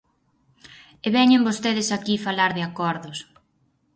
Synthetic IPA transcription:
eβɛɲembost̪eðɪsakifalaɾðeakɔɾðʊs

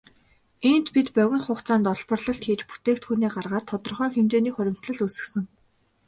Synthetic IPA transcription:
en̥t̪pit̪pœɣʲɪ̆ŋχʊqt͡saːnt̪ɔɮpə̆rɮɞ̆ɬt̪xeːt͡ɕpu̥t̪eːkt̪xuniːɢarʁaːt̪ʰːɔt̪ɞ̆rχœːxemt͡ɕ̪eːniːχʊɾʲɪ̆m̥t̪ɮə̆ɮusɘ̆xsɘ̆ŋ

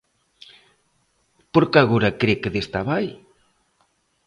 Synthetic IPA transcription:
poɾkaɣoɾakɾekeðest̪aβaj

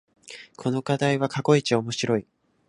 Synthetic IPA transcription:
kʰo̞no̞kad̪aiβakako̞it͡ɕio̞mo̞ɕiɾo̞i

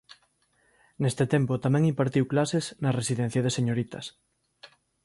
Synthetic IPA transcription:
nest̪et̪empot̪amɛ̃ŋimpaɾt̪iwklasesnaresiðẽn̟θjað̞eseɲoɾit̪ɐs

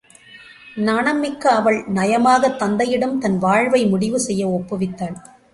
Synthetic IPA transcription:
nɐɳɐmːɪkːɐɐʋɐɭnɐjɐmaːɣɐt̪ːɐnd̪ɐjɪɽɯmt̪ɐnʋaːɻʋɐɪmʊɽɪʋɯsɛjːɐɔpːɯʋɪt̪ːaːɭ

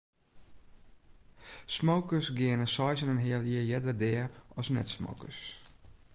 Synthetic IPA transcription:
smowkəsɡɪənəsɔjsənənɦɪəlˠiəjɛdədɛəɔsnɛ̰tsmo̰wkəs

